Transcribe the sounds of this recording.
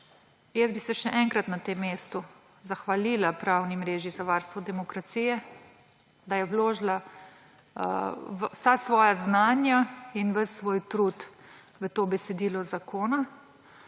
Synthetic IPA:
jɛzbisɛʃɛʔɛŋkɾat̪nat̪eːmːeːst̪u | zaxʋalilapɾaːwnimɾeːʒizaʋaːɾst̪ʋɔd̪ɛmɔkɾat̪siːjɛ | d̪ajɛwloːʒla | ʋsasʋɔːjaznaːnjainʋəsːʋoːjt̪ɾuːt̪ | ʋət̪oːbɛsɛd̪iːlɔzakoːna

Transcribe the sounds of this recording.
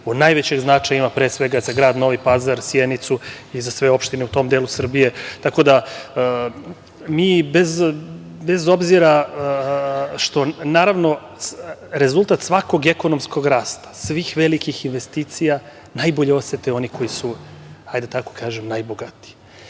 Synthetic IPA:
onajʋet͡ɕeɡznat͡ʃajaimapɾeːsʋe̞ɡazaɡɾaːd̪no̞ʋipazaɾsjenit̪su | izasʋeo̞pʃt̪ineut̪o̞md̪elusr̩bije̞t̪ako̞d̪a | miːbez | bezo̞bziɾa | ʃt̪o̞naːɾaʋno̞ | ɾe̞zulˠt̪at̪sʋako̞ɡeko̞nomsko̞ɡɾaːst̪ḁsʋiːxʋe̞likixinʋe̞st̪iːt̪sija | najboʎeo̞set̪eo̞niko̞jisuhajd̪at̪ako̞̥kaːʒemnajboɡat̪i̥

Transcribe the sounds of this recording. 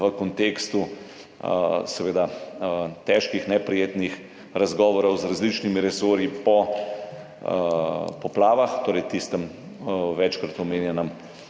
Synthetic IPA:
ʋəkɔnt̪eːkst̪u | sɛʋeːd̪a | t̪ɛːʃkixnɛpɾijeːt̪nix | ɾazɡɔːʋɔɾɔwzɾazlit͡ʃnimiɾɛsoːɾjipɔ | pɔplaːʋaxt̪oːɾɛjt̪ist̪əm | ʋɛt͡ʃkɾat̪ɔmeːnjɛnəm

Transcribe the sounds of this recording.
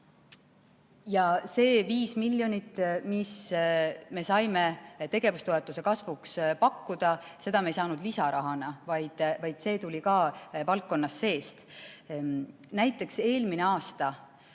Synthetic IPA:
jɑse̞ːviːsmilʲːjo̞nʲit̪ːˑmis | me̞sɑjme̞t̪e̞ɡ̥e̞vust̪o̞e̞t̪ːˑuse̞kɑsvukspɑkːud̪̥ɑse̞d̪ɑme̞jsɑːnud̪̥lisɑɾɑɦɑnɑvɑjd̪̥vɑjd̪̥se̞ːt̪ulʲikɑːvɑlk̚ːo̞nːɑsːe̞ːst̪ | næjt̪ːˑe̞kse̞ːlmine̞ɑːst̪ɑ

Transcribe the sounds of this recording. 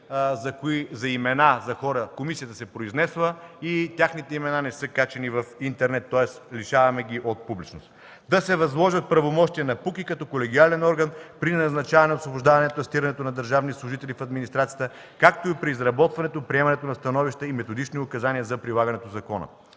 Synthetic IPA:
zɐkoizɐimɛnazɐxɔɾəkomisijət̪əsɛpɾoiznɛsvˠəit̪ʲjaxnit̪ɛimɛnanɛsɤkat͡ʃɛnivɐfint̪ɛɾnɛt̪ːɔɛsliʃavɐmɛɡ̟iʔot̪̚publit͡ʃnost̪ | d̪ɐsɛvɐzlˠɔʒət̪̚pɾɐvomɔʃt̪iɛnɐpukikɐt̪ɔkolɛɡ̟ialɛnɔɾɡənpɾinɐznɐt͡ʃavɐnɛosvobʊʒd̪avɐnɛt̪oɐst̪iɾɐnɛt̪onɐd̪əɾʒavnislˠʊʒit̪ɛlifɐd̪minist̪ɾat̪sijət̪ə | kakt̪oipɾiːzɾɐbɔt̪vɐnɛt̪opɾiɛmɐnɛt̪onɐst̪ɐnɔviʃt̪əimɛt̪od̪it͡ʃniokɐzaniəzɐpɾilˠaɡɐnɛt̪ozɐkɔnə̰

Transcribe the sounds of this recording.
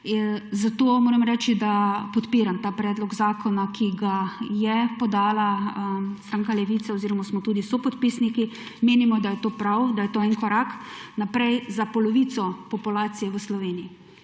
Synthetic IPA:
zat̪oːmoːɾɛmɾɛːt͡ʃid̪apɔt̪piːɾamt̪aːpɾɛːd̪lɔɡzaːkʰɔnakʰiɡajɛpɔd̪aːla | st̪ɾaːŋkalɛʋiːt̪saoziːɾɔmasmɔt̪uːd̪isɔpɔt̪piːsniki | meːnimɔd̪ajɛt̪oːpɾawd̪ajɛt̪oːɛnkɔɾaknapɾɛjzapɔlɔʋiːt̪sɔpɔpulaːt̪sijɛʋəslɔʋeːniji

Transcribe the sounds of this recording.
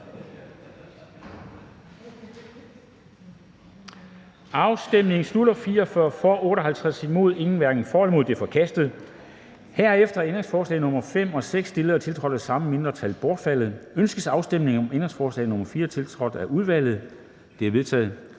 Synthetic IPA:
ɑ̈ʊsd̥emne̝ŋsluɾɐfiːɐɒfɶɐ̰fɒʔɔ̽ːɾ̥ɒ̽ɦælt͡sʰʁasimo̝ð̞ˠe̝ŋn̩ʋæɐɡ̥n̩fɒːlmo̝ð̰ˠd̥efɒ̽kʰæsd̥ð̞̩ˠ | hæɐ̰efd̥ɐend̥ʁe̝ŋsfɒːslɛ̰ɪnɔ̽mɐfem̰ɒ̽seɡ̥sd̥e̝ləɐt͡sʰe̝lt͡sʰʁɒ̽ɾ̥̩ˠæsɑ̈məme̝nd̥ʁɐt͡sʰælb̥ɒːd̥fæl̰ð̞̩ˠønsɡ̥əsɑ̈ʊsd̥emne̝ŋɒ̽mend̥ʁeŋsfɒːslɛ̰ːɪnɔ̽mɐfiːɐt͡sʰe̝lt͡sʰʁɒ̽d̥ˠæʔuð̞ˠʋæl̰ð̞̩ˠ | d̥e̝æɐʋe̝ðˠt͡sʰɛ̰ːð̩ˠ

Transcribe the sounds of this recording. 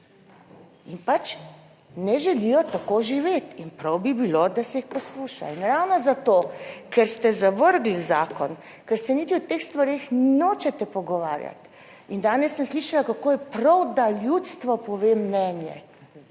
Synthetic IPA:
inpat͡ʃ | nɛʒɛlijɔt̪akoʒiʋeːt̪inpɾɐwbibilod̪asɛixpɔsluːʃa̰inɾawnɔzat̪oːkɛɾst̪ɛzaʋəɾɡlizaːkɔn | kɛɾsɛniːt̪iɔt̪eːxst̪ʋaɾeːxnoːt͡ʃɛt̪ɛpɔɡɔʋa̰ːɾja̰t̪ | ind̪aːnɛsːənsliːʃalakakoːjɛpɾɐwd̪aljut̪st̪ʋɔpɔʋeːmnɛnjɛ̰

